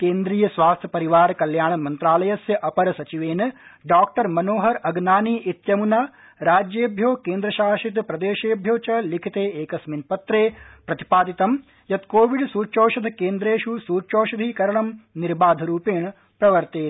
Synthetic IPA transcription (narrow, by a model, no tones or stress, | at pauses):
keːnd̪ɾiːjɐsʋaːst̪ʰjɐpɐɾiʋaːɾɐkɐljaːɳɐmɐnt̪ɾaːlɐjɐsjɐʔɐpɐɾɐsɐt͡ʃiʋeːnɐɖaːk̚ʈɐɾmɐnoːɦɐɾɐɡnaːniːʔit̪jɐmunaː | ɾaːd͡ʒjeːbʱjoːkeːnd̪ɾɐʃaːʃit̪pɾɐd̪eːʃeːbʱjoːt͡ʃɐlikʰit̪eːeːkɐsminpɐt̪ɾeːpɾɐt̪i̥paːd̪it̪ɐm | jɐt̪koːʋiɖsuːt͡ʃoːʃɐd̪ɐkeːnd̪ɾeːʃusuːt͡ʃoːʃɐd̪ʱiːkɐɾɐɳɐmniɾbaːd̪ʱɐɾuːpeːɳɐ | pɾɐʋɐɾt̪eː